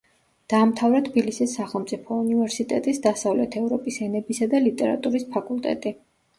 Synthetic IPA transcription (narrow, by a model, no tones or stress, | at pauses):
d̪̥aːmt̪ʰavɾɛt̪ʰbilisisːaχɛlˠmt̪sʼipʰɔunivɛɾsit̪ʼɛt̪ʼisd̪asavlɛt̪ʰɛvɾɔpʼisɛnɛbisad̪alit̪ʼɛɾa̰t̪ʼuɾispʰakʼulˠt̪ʼɛ̰t̪ʼi